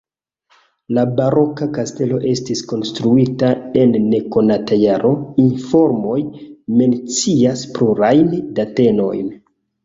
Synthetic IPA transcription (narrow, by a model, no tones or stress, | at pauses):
labaɾo̞kakaste̞lo̞ʔe̞stisko̞nstɾuitae̞nːe̞ko̞natajaɾʔo̞info̞ɾmo̞jme̞nt͡siaspluɾajndate̞no̞̰jn